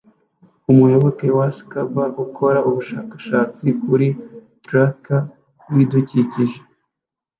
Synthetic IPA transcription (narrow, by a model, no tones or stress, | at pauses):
umujo̞βo̞ke̞wasi̥kabaɡukʰo̞ɾaʔuβuʃaːkḁʃaːt͡sikuɾitɾaka | widuciciʒe̥